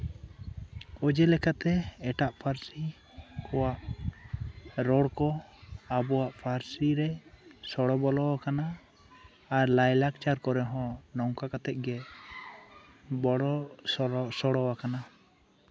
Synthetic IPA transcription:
ɔd͡ʒɛlɛkat̪ɛɛʈaʔpʰaɾsi | kʰɔwaʔ | ɾɔɽkɔabɔwaʔpʰaɾsiɾɛsɔɽɔbɔlɔwakanaː | ɾlajlak̚t͡ʃaɾkɔɾɛɦɔ̃nɔŋkakat̪ɛʔ̚ɡɛ | bɔɽɔsɔsɔɽɔwakana

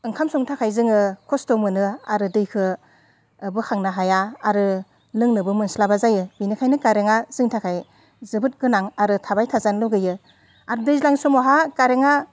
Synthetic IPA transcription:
ɯŋkʰamsɔŋtʰakʰajzɯŋɯkʰɔstɔmɯnɯaɾɯdɯjkʰɯ | bɯkʰaŋnaɦajaːɾɯ | lɯŋnɯbɯmɯnslabazajɯbinɯkʰajnɯkaɾeŋaz̥ɯŋtʰakʰaj | zɯbɯt̚ɡɯnaŋaɾɯtʰabajtʰazanlɯɡɯjɯ | aɾɯdɯjzlaŋsɔmɔɦakaɾeŋa

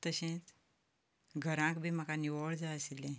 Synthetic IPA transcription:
t̪əɕẽt͡s | ɡʱəɾãkbʱiməkaniʋəɭd͡zaəsilːẽ

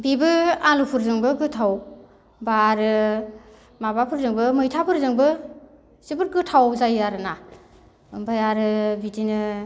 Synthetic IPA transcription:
bibɯalupʰuɾzɯŋbɯɡɯtʰaw | baɾɯ | mabapʰɯɾzɯŋbɯmɯjtʰapʰɯɾzɯŋbɯ | sibɯɾ̚ɡɯtʰawzajaɾɯna | bajaɾɯbitinɯ

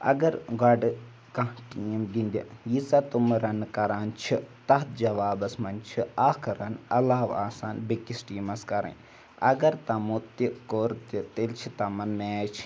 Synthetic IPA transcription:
ɐ̰ɡɐɾɡɐɖɨ | kɐʈiːmɡind̪ʲḭjisɐt̪umɾɐnkɐɾaːnt͡ʃʰit̪ɐɦt̪̚d͡ʒɐʋaːbɐsmɐnt͡ʃʰiaːkɐɾɐnɐlːaːɦʋa̰ːsaːnbikːisʈiːmɐskɐɾɐ̰n | ɐ̰ɡɐɾt̪ɐmut̪ikoːɾt̪it̪elt͡ʃʰit̪ɐmɐnmeːt͡ʃʰ

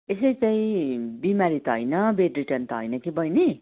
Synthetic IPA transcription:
esajt͡saĩbimaɾit̪ʌɦʌjnʌbeɖriʈʌnt̪ʌɦʌ̰jnʌkibʌjne

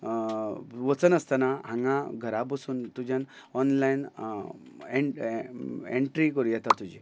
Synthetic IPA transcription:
ʋət͡sənəst̪anaɦãŋɡãɡʱəɾapəsuːnt̪ud͡ʑʱjãn | ɔnlain | e | eɳʈɾikəɾujɛt̪at̪ud͡ʑi

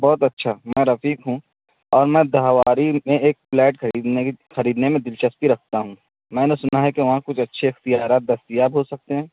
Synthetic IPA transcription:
bɔːt̪ɐtːʃʰamɛ̃ːɾɐfiːkɦũ | ɔːɾmɛ̃ːd̪aɦʋaːɾimẽeːk̚plɛːʈɐiːd̪exɐɾiːd̪nemẽd̪ɪlt͡ʃəspiɾɐk̚ʰt̪aɦũ | mɛ̃ːnesʊnaɦɛkeʋɐɦãkʊt͡ʃʰɐtːʃʰeɪxt̪ijaːɾaːt̪̚d̪ɐst̪ijaːbɦosɐk̚t̪eɦɛ̃ː

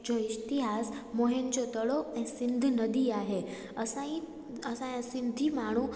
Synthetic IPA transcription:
d͡ʑɔist̪iɦasmoɦend͡ʑɔt̪əɭɔɛ̃sind̪ʱnəd̪iːaɦe | əsãi | əsãjãsind̪ʱiːmaɽ̃ũ

